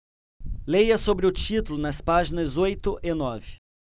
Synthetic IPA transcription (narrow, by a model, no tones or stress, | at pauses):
lejɐsobɾɪʊt͡ʃit̪ʊlʊnɐspaʒinɐzojt̪ʊʔɪnɔvɪ